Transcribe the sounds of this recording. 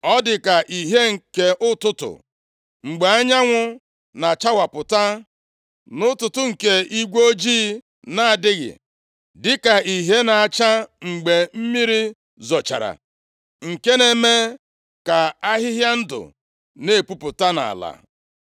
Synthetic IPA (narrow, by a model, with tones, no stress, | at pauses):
ɔ˦dɪ˨ka˨ʔi˨ɦe˦ŋ̩˨ke˦ʔʊ˦tʊ˦tʊ̰˨ | ŋ͡m̩˨ɡ͡be˨a˦ɲa˦ŋʷʊ˦ | na˨t͡ʃa˦wa˨pʊ˨ta˦ | nʊ˦tʊ˨tʊ˦ŋ̩˨ke˦i˦ɡʷo˦d͡ʒiː˦ | na˨a˨dɪ˦ɣɪ̰˨ | dɪ˦ka˨i˨ɦe˦na˨a˨t͡ʃa˦ŋ͡m̩˨ɡ͡be˨m̩˦mi˦ɾi˦ | zɔ˨t͡ʃa̰˨ɾa̰˨ | ŋ̩˨ke˦ne˨me˦ | ka˨a˦ɦɪ˦ɦja˦n̩˦dʊ̰˨ | ne˦˨pu˦pʊ˨ta˦na̰˨la̰˨